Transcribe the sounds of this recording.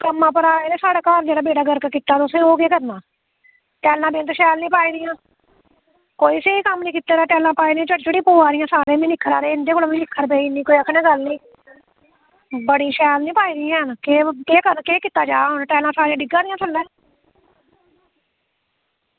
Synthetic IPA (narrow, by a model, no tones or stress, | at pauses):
kəmːãːpəɾaːeɾeːsaːɽaːkaːɾd͡ʒeːɽaːbeːɽaːɡəɾkəkit̪ːaːt̪ʊsẽːoːkeːkəɾnãː | ʈɛːlãːb̪eːnt̪ʃɛːlnĩːpaːiːd̪ɪjãː | koːiːseːiːkəmnĩːkit̪ːaːɾãːʈɛːlãːpaːiːd̪ĩãt͡ʃəʈt͡ʃeɽĩːpoːaːɾɪjãːsaːɾẽːmĩːnɪkʰːəɾa̰ːɾeːɪnd̪eːkoːloːmĩːnɪkʰːəɾpeːiːnĩːkoːiːəkʰnẽːɡəlnĩː | bəɽĩːʃɛːlnĩːpaːiːd̪ɪjãːɦənkekeːkəɾnkeːkɪːt̪ːaːd͡ʒaːɦʊnʈɛːlãːsaːɾẽãːɖɪɡãːɾɪjãːsʰəlɛ̃ː